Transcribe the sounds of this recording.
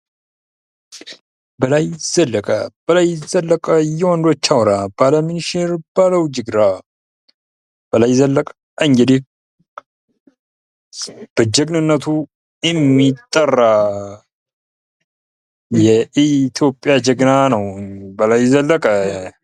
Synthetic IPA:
bəlajz̥əlːəkʼə̰b̥əlajzəlːəkʼəjɛwɔnd̪ot͡ʃːawɾabaləminiʃeɾb̥aləwd͡ʒɨɡɾa | b̥əlajzəlːəkʼə | ɨŋɡɨd̪i | b̥əd͡ʒɛɡnɨnːət̪ʰu | jɛmːit̪ʼːərːa | jɛʔit̪ʰjo̞pʼːjad͡ʒəɡnanəwbəlajzəlːəkʼə

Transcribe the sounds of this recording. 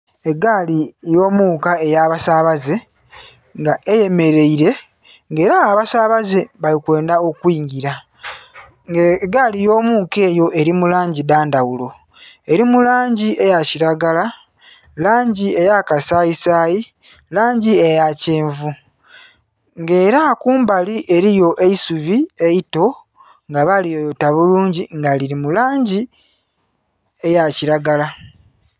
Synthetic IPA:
e̞ɡalijo̞ːmuːkae̞jaːβasaːβaze̞ | ŋɡaʔe̞je̞me̞ɾe̞iɾe̞ | ŋɡe̞ːɾaːβasaːβaze̞βalikwe̞ːndao̞kwiːɲɡiɾa | ɡaːlijo̞ːmuːke̞ːjo̞ʔe̞ɾimulaːɲɟidaːndawulo̞ | e̞ɾimulaːɲɟie̞jaciɾaɡala | laːɲɟie̞jakasaisaːji | laːɲɟie̞jaceːɱvu | ŋɡe̞ːɾakuːmbaliʔe̞ɾijo̞ʔe̞isuβie̞jito̞ | ŋɡaβalijojotaβuluːɲɟiŋɡaliɾimulaːɲɟi | ejaciɾaɡala

